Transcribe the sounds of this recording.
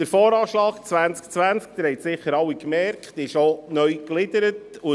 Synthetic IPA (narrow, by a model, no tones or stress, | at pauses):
dəɾfoːɾɑːʃlɑːkt͡sʋænt͡skt͡sʋænt͡sk̚d̪əɾhɛɪtsɪχəɾɑwikmɛɾkχtɪʃonœɥklɪdəɾətʊ